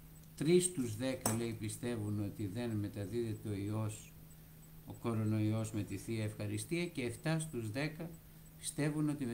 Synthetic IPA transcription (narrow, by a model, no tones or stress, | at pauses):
t̪ɾist̪uzðe̞kɐle̞ipist̪e̞vuno̞t̪iðe̞nme̞t̪ɐðiðe̞t̪eo̞io̞s | o̞ko̞ɾo̞no̞io̞zme̞t̪iθiɐefxɐɾist̪iɐce̞ːft̪ɐst̪uzðe̞kɐ | pi̥st̪e̞vuno̞t̪im